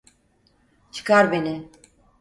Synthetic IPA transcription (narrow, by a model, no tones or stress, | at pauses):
t͡ʃʰɨ̥kaɾbenɪ